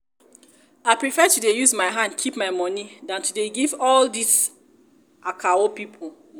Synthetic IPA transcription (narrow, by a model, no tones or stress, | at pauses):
aɪpɾifɛtudejuzmaɪɦãndkʰipmaɪmɔnidãntʰudeɡivɔldis | ʔakʰawopipʰo